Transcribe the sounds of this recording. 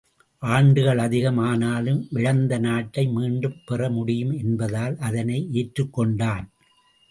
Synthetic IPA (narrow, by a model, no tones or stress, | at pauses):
ʔaːɳɖɯɣɐɭɐðɪɣɐmaːnaːlɯmʋɪɻɐnd̪ɐnaːʈːɐɪmiːɳɖɯmpɛrɐmʊɽɪjɯmɛnbɐðaːlʔɐðɐnɐɪʔeːʈɾɯkːɔɳɖaːn